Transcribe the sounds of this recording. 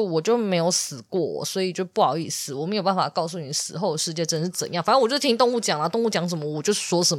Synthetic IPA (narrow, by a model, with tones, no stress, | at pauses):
wɔ˨˩t͡ɕjo˥˩ʊme˧˥ɪjo˨˧˦ʊsɹ̩˨˩kwɔ˥˩wɔ̰˨˩swɔ˧˥i˨˩t͡ɕjo˥˧ʊpu˥˩jɑ̰˨˩ʊi˥˩sɹ̩˨˦wɔ˨˩me˧˥jo˨˩ba˥n˩fa̰˨˩kɑ˥˧ʊs̬u˥˩ni˨˩sɹ̩˨˩xo˥˩ʊd̪ə˩ʂɻ̩˥˧t͡ɕjɛ˥˩ʈ͡ʂə˥nʂɻ̩˥˩t͡sə̰˨˦njɑ˥˩ŋfn˥nwt͡ɕjt̪ʰi˥ŋ˥t̪ʊ˥˧ŋu˥˩t͡ɕjɑ˨˩ŋlə˨˦t̪ŋu˥˩t͡ɕjɑ˧˥ŋʂ̬ə˧˦nmə˦wɔ˨˩t͡ɕjo˥˧ʊʂ̩˥˩ʂwɔ˥ʂə˧˦n